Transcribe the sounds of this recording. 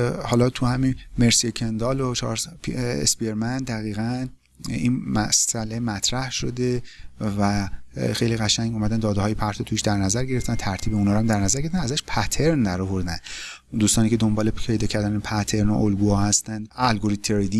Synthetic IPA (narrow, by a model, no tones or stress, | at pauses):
hɒːlɒːt̪ʰuhæminme̞ɾsiecʰend̪ɒːlot͡ʃʰɒ̰ɾspʰḛsbieɾmænd̪æɣiːɣæn | inmæsælemæt̪ʰɾæhʃo̞d̪evæxe̞jliɣæʃæŋɡumæd̪ænd̪ɒːd̪ehɒːjepʰæɾt̪ʰot̪ʰuʃd̪æɾnæzæɾɟe̞ɾeft̪ænt̪ʰæɾt̪ʰiːbeunhɒːɾmd̪æɾnæzæɾɡeeft̪ænæzæʃpʰæt̪ʰe̞ɾnd̪æɾovoɾd̪ænd̪ | d̪uːst̪ɒːniːcʰe̞d̪ombɒːlepʰe̞jd̪ɒːcʰæɾd̪ænepʰæt̪ʰe̞ɾno̰ʔolɡuːhɒːhæst̪ænd̪ælɡoɾit̪t̪ʰːeɾid̪i